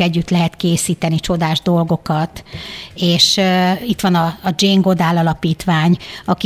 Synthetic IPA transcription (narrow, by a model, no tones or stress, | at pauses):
ɛɟːyt̪lɛɦɛt̪keːsiːt̪ɛnit͡ʃo̞d̪aːʒd̪o̞lɡo̞kɒt̪eːʃit̪ʋɒnɒːd͡ʒeːŋɡod̪aːlɒlɒpiːt̪ʋaːɲɒki